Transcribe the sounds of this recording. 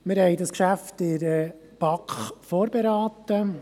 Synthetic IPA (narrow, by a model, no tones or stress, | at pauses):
mɪɾhɛɪdɑskʃæftɪɾə | pɑkχfoːɾbeɾɑːtə